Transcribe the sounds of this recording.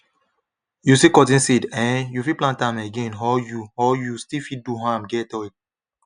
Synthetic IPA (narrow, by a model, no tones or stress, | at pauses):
jusikɔtĩnsidɛ̃njufiplãntameɡẽnɦɔjuɔjustifit̚duɦamɡɛtɔɛk̚